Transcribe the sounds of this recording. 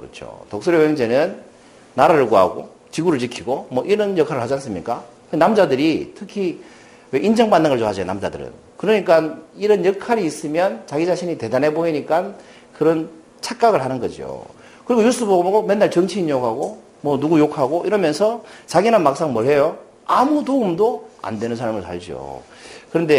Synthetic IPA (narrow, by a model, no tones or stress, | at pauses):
kɯɾʌ̰t͡ɕʰo̰tok̚s͈oɾjoweŋd͡ʑe̞nɯnː | aɾaɾɯɭkoɦa̰ɡo̰ | t͡ɕiɡuɾɯɭt͡ɕikʰiɡomʌʔiɾʌnjʌkʰaɾɯɭhad͡ʑians͈ɯmɲḭk͈akɯnamd͡ʑadɯɾitʰɯkʰi | we̞ʔind͡ʑʌŋbanːɯŋɯɭt͡ɕoɦad͡ʑʌjo̰namd͡ʑa̰dɯ̰ɾɯ̰n | kɯɾʌɲik͈aniɾʌnjʌkʰaɾiːs͈ɯmjʌnt͡ɕaɡid͡ʑaɕʰiɲite̞danɦe̞boiɲik͈an | kɯɾʌn | t͡ɕʰak͈̚aɡɯɭɦanɯnɡʌd͡ʑḭjo̰ | kɯɾiɡojus͈ɯbʌɡoboɡomenːaɭt͡ɕʌŋt͡ɕʰiiɲokʰaɡo | mwʌnuɡujokʰaɡoʔiɾʌmjʌnsʰʌt͡ɕaɡinɯnmak̚s͈aŋmʌɭhe̞jo | amutoumdoa̰ndwe̞nɯnsʰaɭmɯɭsa̰ɭd͡ʑio̰ | kɯɾʌnde̞